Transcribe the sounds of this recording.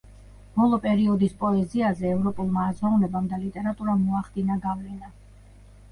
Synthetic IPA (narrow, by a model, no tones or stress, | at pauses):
b̥ɔlˠɔpʼɛɾiɔd̪ispʼɔɛziazɛːvɾɔpʼulˠmaːzaunɛbamd̪alit̪ʼɛɾat̪ʼuɾamɔaχd̪inaɡavlɛna